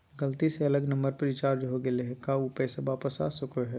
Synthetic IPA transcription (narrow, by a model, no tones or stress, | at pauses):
ɡɐlt̪iseɐləɡnɐ̃mbəɾpɐɾʋɪt͡ʃaːɾd͡ʒɦoɡeleɦɛkaupəsɐbaːpəsa̰ːsʊkoɦɛ